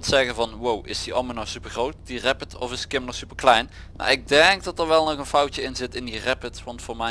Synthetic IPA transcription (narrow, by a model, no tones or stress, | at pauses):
tsɛɣənvɑnwowɪsdiʔɑ̰lˠmənɔsypəɹχrowt̚d̥irɛpətʰɔ̰fɪskɪmənɔxsypəklɛjn | ma̰ːɹɪɡ̚dɛŋɡ̚dɑtəɹʋɛlˠnɔχənfɑwtəɪnzɪtɪndirɛpətsʋɑntfʊːɹmɛ